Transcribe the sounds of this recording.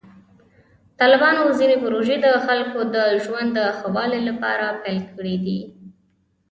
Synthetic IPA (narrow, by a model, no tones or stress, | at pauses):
t̪ɑlɪbɑnozinepʊɾoʒed̪əxalkod̪əʒwand̪ːəxawɑlelapɑ̰ɾapɛjlkʰəɽid̪ḭ